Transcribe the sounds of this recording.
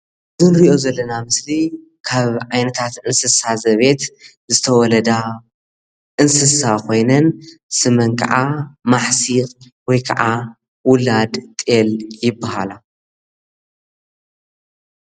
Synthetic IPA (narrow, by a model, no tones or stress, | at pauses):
zɨnɾiʔo̞zɐlːɐnamɨsli | kʰaβʕajnɐt̪ʰat̪ʔɨnsɨsazɐβe̞t̪ | zɨt̪ʰɐwɔlɐd̪a | ʔɨnsɨsakʰo̞jnɐnsɨmɐŋkʰʼɐ̰ʕamaħsiχʼ | wɔjkʰɐʕa | wʊlad̪t̪ʼeljɪbːaɦala